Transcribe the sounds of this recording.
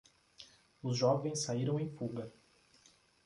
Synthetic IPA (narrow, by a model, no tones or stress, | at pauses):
ʊzʒɔvẽj̃sːaiɾɐ̃w̃ẽj̃fuɡɐ